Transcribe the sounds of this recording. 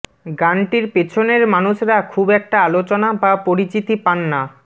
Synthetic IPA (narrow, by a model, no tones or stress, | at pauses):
ɡanʈiɾpet͡ɕʰoneɾmanuʃɾakʰubɛk̚ʈaalot͡ɕonabapoɾit͡ɕit̪ipanːa